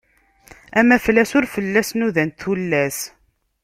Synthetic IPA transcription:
æmæflːæsʊɾfəlːæsnuðænt̪θulːæs

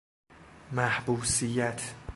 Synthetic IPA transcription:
mæhbuːsijæt̪ʰ

